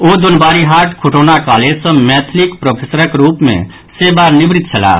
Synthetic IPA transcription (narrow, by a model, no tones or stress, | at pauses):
oːd̪ʊnbaːɾiɦaːɾʈkʰoʈoːnakaːlesə̃mɛːt̪ʰlikpɾopʰeːsəɾəkɾuːpmḛ̃ | sebaɾnɪbɾɪt̪̚t͡ʃʰəla̰ː